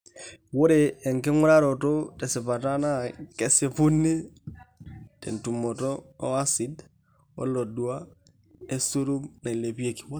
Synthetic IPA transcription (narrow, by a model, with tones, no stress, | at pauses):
wo˦ɾeː˨ŋkɪ˦ŋʊ˦ɾa˦ɾo˨to˦tɛ˨si˨pa˨ta˦na˦ke˦se˦pu˦nːi˦ | tḛ˨ntu˨mɔ˨tɔː˦a˦si˦d | ɔ̰˦lo˨du˨a˦ | e˦su˦ɾu˦mna˨i˨le˨pi˦e˨ki̥˨wa˦